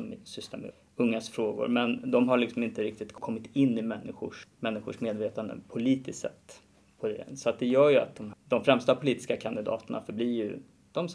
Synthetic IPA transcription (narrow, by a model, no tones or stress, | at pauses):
ɔmsʏst̪ʰɛmɛ̰ | ɵŋːasfɾoːɡʊ̰ɾmɛnd̪ɔmɦaɭɪksɔmɪnt̪əɾɪk̚t̪ɪt̪kʰɔmːɪt̪ɪnːɪmɛnːɪɧʊ̰ʂmɛnːɪɧʊʂmeːd̪veːt̪and̪ə̰pʰʊliːt̪ɪssɛ̰t̪ː | pʰɔd̪ɛ̰sɔat̪̚d̪ɛjœːjɵa̰t̪̚d̪ɔmd̪ɔmfɾɛmst̪apʰʊliːt̪ɪ̥skakʰand̪ɪd̪ɑ̰ːt̪əɳa̰fœɾbliːjɵ̰ | d̪̥ɔm